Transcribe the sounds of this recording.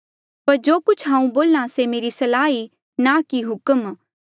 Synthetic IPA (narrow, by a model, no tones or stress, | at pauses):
pɐɾd͡ʒoːkʊt͡ʃʰɦãːũboːlãsemeːɾisɐlaːi | nakiɦʊkəm